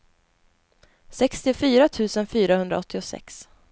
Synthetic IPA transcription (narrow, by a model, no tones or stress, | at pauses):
sɛkst̪ɪfyːɾat̪ʰʉ̟ːsənfyːɾahɵnd̪ɾa̰ɔt̪ʰːɪʊsɛ̰ks